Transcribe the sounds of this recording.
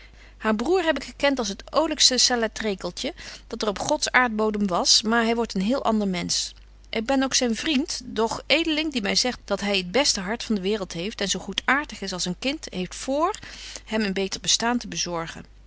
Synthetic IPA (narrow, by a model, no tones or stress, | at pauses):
haːɹbruːɹɦɛp̬ɪkχəkɛntɑlˠsɦətowləkstəsalɛtrejkəlˠtəd̥ɑtərɔpχɔtsaːɹd̚bowdəmʋɑsmaːɹɦɛjʋɔɹtənɦɪːlˠʔɑ̰ndəɹmɛns | ʔɪɡ̚bɛnowksɛjnvrintdɔχejdəlɪŋdimɛjzɛχtd̥ɑtɦɛjəd̚bɛstəɦɑɹtfɑndəʋɪːrəlˠtɦejftɛnzowχutaːɹtəχɪsɑlˠsənkɪntɦejftfʊːɹhɛmənbejtəɹbəstaːntəbəzɔɹχə̰n